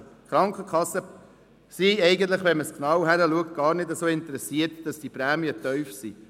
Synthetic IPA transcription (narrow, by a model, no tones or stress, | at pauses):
χɾɑŋkχəkʰχɑsːə | siɛɪɡən̩t̪̬ləχʋɛnməsknɑwhæɾəluək̚t̚ɡ̥ɑːɾnɪdəsoːɪntəɾɛsiəɾtd̥ɑsd̥ipɾæːmiətœʏfsi